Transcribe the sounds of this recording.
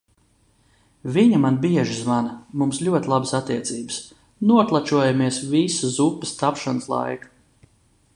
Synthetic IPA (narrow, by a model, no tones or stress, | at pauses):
viɲamanbiɛʒizvanmumslʲuɔt̪ʲlˠabəsat̪ːiɛt̪siːbəs | nuɔklˠat͡ʃuɔjamiɛsvisazupːɨst̪apʃanəslˠa̰jkḁ